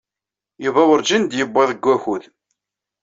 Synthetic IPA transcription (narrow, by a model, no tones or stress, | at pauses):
juvæwəɾd͡ʒind̪jəbːɑðˤəɡʷːæçuð